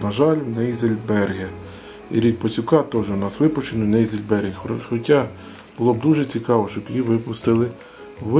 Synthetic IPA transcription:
nɐʒɑlʲwnɛjzelʲbɛrɦɛ | ḭɾʲik̚pɔt͡sʲʊkɑt̪ɔʒʊnɑsʋɪpɔt͡ʃɪnʊnɛjzelʲbɛrʲɦɪxxɔtʲːa | b̥ʊlˠɔb̚d̪uʒɛt͡sʲikɑʋɔʃt͡ʃɔbjiʋɪpʊst̪ɪlˠɪ | ʋ

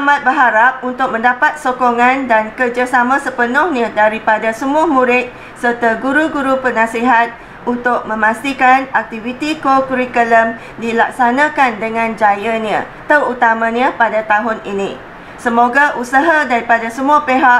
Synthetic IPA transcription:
amãt̪̚bəɦaɾap̚unt̪ʊk̚mə̃ndapat̪̚sokoŋãndankərd͡ʒasamãsəpənɔhnadaɾipadasəmuamũɾɪt̪̚ | sərt̪aɡuɾuɡuɾupərnãsiɦat̪̚ | unt̪ʊk̚mə̃mãst̪ikanak̚t̪ivit̪ikokuɾikələm | dilak̚sanãkandəŋãnd͡ʒajanã̰ | t̪ərut̪amãɲãpadat̪aɦʊninĩ | səmoɡaʔusaɦadaɾipadasəmuapeɦa

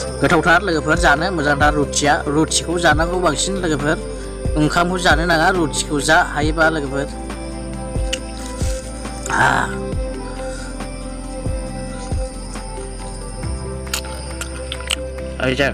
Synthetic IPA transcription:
ɡɯtʰawtʰaɾlɯɡɯpʰɯɾzanɯmɯzaŋtʰaɾut̚sijaɾut̚sikʰɯwzanakʰɯwwaŋsinləɡɯpʰɯɾ | ɯŋkʰamhɯwzanɯnaŋaɾut̚si̥kʰɯwzahajbalɯɡəpʰɯɾ | a̰ | ajza

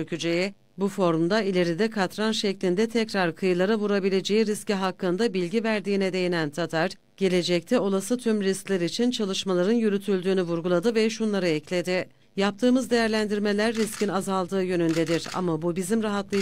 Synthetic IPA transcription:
økʰyd͡ʒeji | bufo̞ɾmd̪ailʲe̞ɾid̪ɛkʰat̪ɾanʃɛclʲind̪ɛt̪ʰɛcɾaɾkʰɯjɯlˠaɾavuɾabilʲe̞d͡ʒe̞jiɾisciɦakːɯnd̪abilʲɟivæɾd̪iːnɛd̪e̞jenænt̪ʰat̪ʰaɾ | ɟ̥e̞lʲe̞d͡ʒɛc̚t̪ʰɛo̞lˠasɯt̪ʰymɾisclʲæɾit͡ʃʰint͡ʃʰalˠɯʃmalˠaɾɯnjyɾyt̪ʰylʲd̪yːnyvuɾɡulˠad̪ɯvɛʃunlˠaɾɯɛclʲe̞d̪ɪ | jap̚t̪ʰɯːmɯzd̪e̞jæɾlʲænd̪iɾme̞lʲæɾːiscʰinazalˠd̪ɯːjø̞nynd̪ɛd̪iɾa̰mabubizimɾaɦat̪lˠɯ

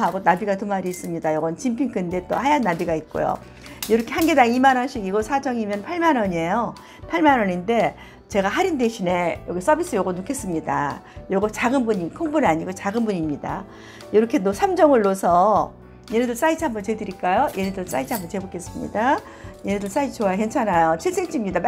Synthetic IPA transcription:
ɦaɡonabiɡatɯmaɾiːs͈ɯmɲidajʌɡʌnt͡ɕimpʰiŋkʰɯnde̞t͈ohajanːabiɡait̚k͈o̰jo̰ | joɾʌkʰe̞hanɡe̞daŋimanʌnɕ͈ʰiɡiɡʌsʰad͡ʑʌŋimjʌnpʰaɭmanʌɲie̞jo | pʰaɭmanʌɲinde̞ | t͡ɕe̞ɡaɦaɾinde̞ɕʰine̞jʌɡes͈ʌbis͈ɯjʌɡonukʰe̞s͈ɯmɲida̰ | jʌɡʌt͡ɕaɡɯnbuɲikʰoŋbunaɲiɡot͡ɕaɡɯnbuɲimɲida̰ | joɾʌkʰe̞nosʰamd͡ʑʌŋɯɭːosʰʌ | je̞nedɯɭs͈ait͡ɕʰiɦambʌnt͡ɕe̞dɯɾiɭk͈ajojʔe̞nedɯɭs͈a̰it͡ɕʰhambʌnt͡ɕe̞bok͈e̞s͈ɯmɲḭda | jenedɯɭs͈ait͡ɕoaɦent͡ɕʰanajot͡ɕʰiɭs͈eŋt͡ɕ͈imɲidapa

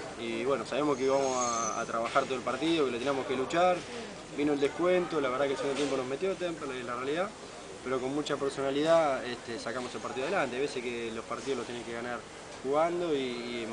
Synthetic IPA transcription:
iβwe̞nosaβemokeiβamosaa̰t̪ɾaβaxaɾt̪oelpaɾt̪iðokelot̪enijamoke̞lut͡ʃaɾ | binold̪ehkwent̪olaβeɾðakelseɣund̪t̪jemp̬onoɦme̞t̪jot̪empelaelarealiða | peɾo̞ko̞nmut͡ʃapeɾso̞naliðaeht̪esakamoselpaɾt̪iðoaðelant̪eajβesekelo̞hpaɾt̪iðolot̪jeneŋkeɣanaɾ | xuɣand̪o̞iː

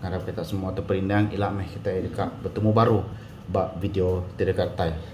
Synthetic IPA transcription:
kaɾakit̪aʔsəmuat̪əpəɾindaŋilaʔmɛhkit̪aiɾikaʔbət̪əmubaɾu | baʔvideot̪iɾəkart̪ai

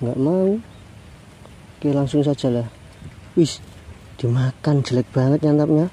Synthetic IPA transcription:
ŋɡaʔmaŋ | kelaŋsʊŋs̬ad̥ʒ̥a̤lah | wis | d̪̥imakan̥d͡ʒ̥ə̤lɛk̚b̥a̤ŋət̪̚ɲant̪ap̚ɲa

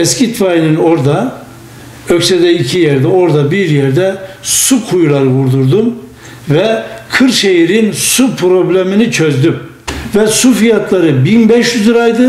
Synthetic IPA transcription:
ɛscit̪fajinɯno̞ɾd̪a | øcsɛd̪ɛicʰijɛɾd̪ɛo̞ɾd̪abiɾjɛɾd̪ɛsukʰujulˠaɾɯvuɾd̪uɾd̪um | vɛkʰɯɾʃe̞jiɾinsupʰɾo̞blʲeminit͡ʃʰøzd̪ym | vɛsufijat̪ʰlˠaɾɯbinbɛʃjyzɯɾajd̪ɯ

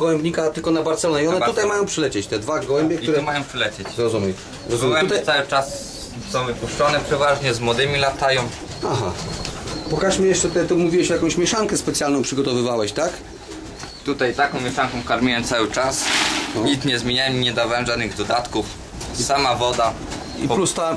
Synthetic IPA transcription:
ɡwɛmbʲɲikat̪ɘlkɔnabaɾt̪sɛlɔɲɛiɔnɛut̪ajmajɔ̃w̃pʂɘlɛt͡ɕɛt͡ɕt̪ɛd̪vaɡwɛmbʲjɛkt̪uɾɛmajɔ̃w̃pʂɘlɛt͡ɕɛt͡ɕɾɔzumʲɛj | ɾɔzumɪɛwɛut̪asawɘt͡ʂas | sɔ̃w̃vɘpuʂt͡ʂɔnɛpʂɛvaʐɲɛzmwɔd̪ɘmʲilat̪ajɔ̃m | aɦa̰ | pɔkaʂmʲijɛʂt͡ʂɛt̪ɛt̪umuvʲiwɛɕjakɔ̃w̃ɕmʲjɛʂaŋkɛspɛt̪sʲjalnɔ̃wpʂɘɡɔt̪ɔvɘvawɛɕt̪ak | t̪ut̪ajt̪akɔ̃w̃mʲjɛʂaŋkɔ̃w̃kaɾmʲiwɛmt̪sawɘt͡ʂasɲit̪sɲɛzmʲjeɲawɛmiɲɛd̪avawɛmʐad̪nɘɣd̪ɔd̪at̪kuf | isamavɔd̪a | ḭpplust̪a

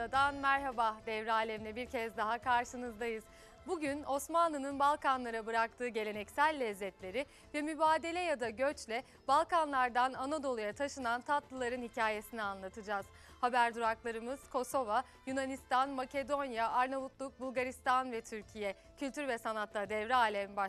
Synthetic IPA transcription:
ad̪anmæɾɦabad̪ɛvɾaːlʲɛmlʲɛbiɾcʰɛzd̪aɦakʰaɾʃɯnɯzd̪ajɯz̥ | buɟyno̞smanlˠɯnɯnbalˠkanlˠaɾabɯɾak̚t̪ʰɯːɟe̞lʲe̞nɛcsælʲːɛzːɛt̪lʲe̞ɾɪ | vɛmybaːd̪e̞lʲɛjad̪aɟøt͡ʃlʲɛ | balˠkanlˠaɾd̪ananad̪o̞lˠujat̪ʰaʃɯnant̪ʰat̪lˠɯlˠaɾɯnhicʰaːje̞sinianlˠat̪ʰɯd͡ʒaːz̥ | habæɾd̪uɾaklˠaɾɯmɯz̥kʰo̞so̞va | junanist̪anmace̞d̪o̞njaʔaɾnavut̪lˠuk̚bulˠɡaɾist̪anvɛt̪ʰyɾcʰijɛ | cʰylʲt̪ʰyɾvɛsanat̪lˠad̪ɛvɾaːlʲɛmba

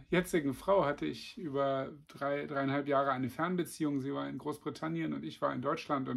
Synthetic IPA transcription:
jɛt͡sɪɡŋ̩fʁ̥aʊhatəɪçʔyːbɐd̥ʁaɪd̥ʁaɪanhalpjaːʁəaɪnəfɛɐnbət͡siːʊŋziːvaːɐɪnɡʁoːsb̥ʁitʰanjənʊntɪçv̥aːɐɪndɔʏt͡ʃlantʊn

